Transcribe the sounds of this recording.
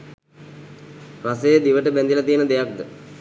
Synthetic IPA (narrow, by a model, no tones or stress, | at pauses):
rasejed̪iʋəʈəbænd̪ilɐt̪ijənəd̪ejak̚d̪ə